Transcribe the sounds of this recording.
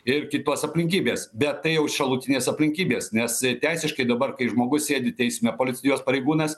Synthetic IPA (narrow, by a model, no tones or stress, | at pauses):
ɪrkʲɪt̪uɔsɐpʲlʲɪŋʲkʲiːbʲeːsbʲɛt̪tɐɪjɛʊʃʲɐlˠuːt̪ʲɪnʲeːsɐpʲlʲɪŋʲkʲiːbʲeːsnʲɛst̪ʲæɪsʲɪʃkɐɪd̪ɐbɐɾkɐɪʒmoːɡʊssʲeːd̪ʲɪt̪ʲɛɪsʲmʲɛpoːlʲɪt͡sʲɪjoːspɐɾʲɛɪɡuːnɐs